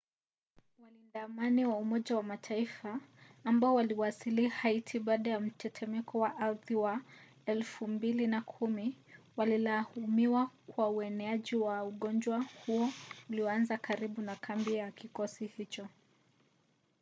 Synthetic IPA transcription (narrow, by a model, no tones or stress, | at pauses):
walindamaniwaumɔʄawamatʰaifaːmbaɔwaliwasilihaitʰiɓaːɗajam̩tʰɛtʰɛmɛkɔwaʔaɾðiwa | ɛlfumbilinakʰumi | walilahumiwakwauɛnɛaʄiwauɠɔnd͡ʒwahuɔuliɔanzakaɾiɓunakʰambijakikɔsihit͡ʃɔ